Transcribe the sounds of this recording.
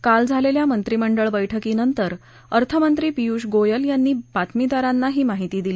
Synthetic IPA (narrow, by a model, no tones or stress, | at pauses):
kald͡zʱaleljamənt̪ɾiːməɳɖəɭbəjʈʰəkiːnənt̪əɾ | əɾt̪ʰəmənt̪ɾiːpijuːɕɡojəljanːiːbat̪mid̪aɾanːaɦiːmaɦit̪iːd̪iliː